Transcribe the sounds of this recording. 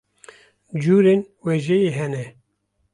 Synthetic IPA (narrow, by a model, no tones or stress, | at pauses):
d͡ʒuːɾeːnweːʒejeɦɛnɛ